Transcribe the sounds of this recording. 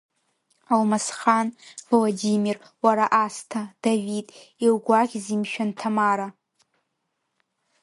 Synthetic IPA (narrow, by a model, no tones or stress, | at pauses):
almasχanvolodimir | waɾaʔastʰad̥avitʼilɡʷaʁʲzimʃᶣantʰamaɾa